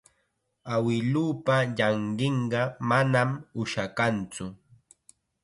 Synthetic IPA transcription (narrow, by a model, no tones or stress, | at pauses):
awɪluːpaʎɑɴɢɪɴɢɑmanamʊʃakant͡sʊ